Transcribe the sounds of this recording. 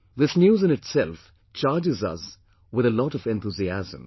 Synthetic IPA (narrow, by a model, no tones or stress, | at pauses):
ðɪsnjuːzɨ̃nɨʈsɛlf | t͡ʃaːd͡ʒɪzʌ̰s | wɪðəlɔɾʌvɛ̃nθuziæzə̰̃m